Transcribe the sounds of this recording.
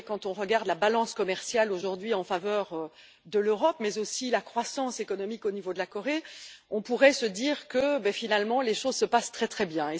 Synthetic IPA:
kɑ̃t̪ɔ̃ʁəɡaʁd̪labalɑ̃skɔmɛʁsjaloʒuʁd̪ɥiɑ̃favœʁø | d̪əløʁɔpmɛzosilakχwasɑ̃sekɔnɔmikonivod̪əlakɔʁeɔ̃puʁɛsəd̪iːʁkəbɛfinalmɑ̃leʃozsəpast̪χɛt̪χɛbjɛ̃e

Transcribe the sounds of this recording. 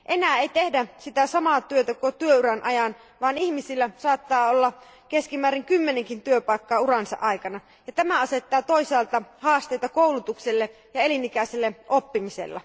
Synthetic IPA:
ʔenæːeit̪ehdæsit̪æsɑmɑːt̪yøt̪ækot̪yøyɾænʔɑjɑn | ʋɑːnihmisilːæsɑːt̪ːɑːolːɑ | keskimæːɾiŋkymːeneŋkint̪yøpɑˑikːɑːurɑnsɑ̰ʔɑikɑnɑ | jɑt̪æmæɑse̞t̪ːɑːt̪oisɑːlt̪ɑhɑːst̪ejt̪ɑkoulut̪ukselːe | jɑe̞linikæˑiselːeʔopːimisḛlːɑ̰

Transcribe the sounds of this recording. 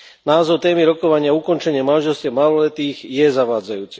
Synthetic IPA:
naːzɔwt̪ɛːmiɾɔkɔʋaɲɪaukɔnt͡ʃɛɲɪamanʒɛlstciamalɔlɛt̪iːɣjɛzaʋaːd͡zajuːt͡sɛ

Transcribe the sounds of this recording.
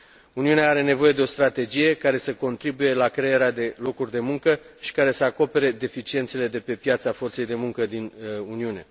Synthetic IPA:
uniuneaaɾe̞ne̞vo̞je̞d̪e̞o̞st̪ɾat̪e̞d͡ʒije̞kaɾe̞səko̞nt̪ɾibuje̞lakɾe̞jeɾead̪e̞lo̞kurʲd̪e̞muŋkəʃi̥kaɾe̞səako̞pe̞ɾe̞d̪e̞fit͡ʃient̪sele̞d̪e̞pe̞pjat̪safo̞rt̪se̞jd̪e̞muŋkəd̪inuniune̞

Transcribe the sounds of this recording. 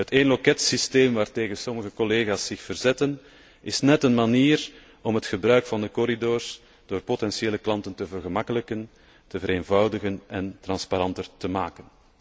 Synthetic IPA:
ɦəteːnlɔkɛtsisteːmʋaːrteːɣənsɔməɣəkɔleːɣaːsːɪxfərzɛtən | ɪsnɛtənmaniːr | ɔmɦətxəbɾœɥkfɑndəkɔɾidoːrs | d̥oːrpotɛnsjeːləklɑntəntəvərɣəmɑkələkən | təvəɾeːnvɑwdəɣənɛntrɑnspaɾɑntərtəmaːkən

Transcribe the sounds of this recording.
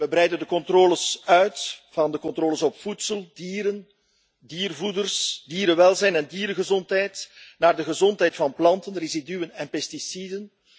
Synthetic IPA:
ʋəbɾɛjdəndəkɔntroːləsœɥtv̥ɑndəkɔntrɾoːləsɔpfutsəlˠdiːɾən | diːrvudərsdiːɾəʋɛlˠzɛjnɛndiːɾəɣəzɔntɦɛjtnaːrdəɣəzɔntɦɛjtfɑnplɑntənrezidyənɛnpɛstisidən

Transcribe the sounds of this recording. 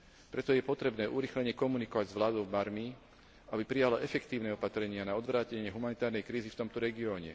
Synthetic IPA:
pɾɛt̪ɔjɛpɔt̪ɾɛbnɛːʔuɾixlɛɲɛkɔmunikɔʋaɟzʋlaːd̪ɔʊmaɾmi | ʔabipɾijalaʔɛfɛkt̪iːʊnɛɔpat̪ɾɛɲɪanaɔd̪ʋɾaːcɛɲɪɛɦumanit̪aːɾnɛjkɾiːzift̪ɔmt̪ɔɾɛɡiɔːɲɛ̰

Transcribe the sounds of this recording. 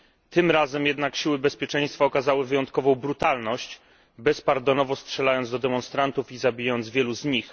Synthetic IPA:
t̪ɘmɾazɛmjɛd̪nakɕiwɘbɛspʲjɛt͡ʂɛj̃st̪faɔkazawɘvɘjɔnt̪̚kɔvɔ̃w̃bɾut̪alnɔɕt͡ɕ | bɛspaɾd̪ɔnɔvɔstʂɛlajɔnzd̪ɔd̪ɛmɔnst̪ɾant̪ufizabʲijaɔnd̪zvʲjɛluzɲix

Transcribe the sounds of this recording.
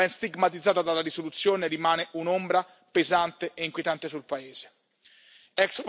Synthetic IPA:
ɛnst̪iɡmat̪̬id̪zːaːt̪ad̪alːaɾisolut̪sːjoːneɾimaːneʔunombɾa | pezant̪eʔeiŋkwjet̪ant̪esulpaeːz̥e̥ | ɛks

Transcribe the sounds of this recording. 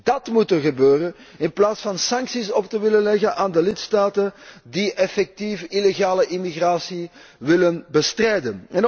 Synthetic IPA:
d̥ɑtmutərɣəbøːɾən | ɪnplaːtsfɑnsɑŋksisɔp̚təʋɪlənlɛɣənʔaːndəlɪtstaːtəndiʔɛfɛk̚tifileɣaːləʔimiɣraːsi | ʋɪlənbəstrɛjdənɛn

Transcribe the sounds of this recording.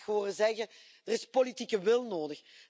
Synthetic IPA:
xoːrəzɛɣə | d̥ərɪspolitikəʋɪlˠnoːdəx

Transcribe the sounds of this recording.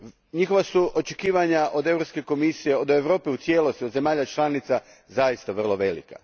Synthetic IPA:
ɲixo̞ʋasuʔo̞t͡ʃe̞kiːʋaɲaʔo̞d̪e̞ʋɾo̞pske̞ko̞misije̞od̪eʋɾo̞ːpiut̪sje̞ːlˠo̞st̪io̞d̪ze̞maːʎat͡ʃlˠaːnit̪sa | zaist̪aʋr̩lˠo̞ʋe̞lḭka̰

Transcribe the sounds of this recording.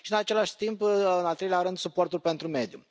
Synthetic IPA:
ʃiɨnat͡ʃe̞laʃt̪impɨnalt̪ɾeleaɾɨnd̪supo̞rt̪ulpe̞nt̪ɾume̞d̪ju

